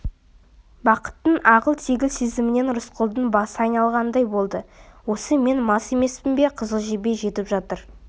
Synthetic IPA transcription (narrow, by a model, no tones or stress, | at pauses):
bɑqə̥t̪ːəɴɑʁəlˠt̪ʰe̞ɡʲɪlsezɪmɪne̞nɾʊsqʰəlˠd̪ənbɑsəɑjnɑlˠʁɑnd̪ɑjbo̞lˠd̪əwo̞səme̞nmɑse̞me̞spɪnbe̞qʰəzəlˠʒebe̞ʒe̞t̪ɪpʒɑt̪əɾ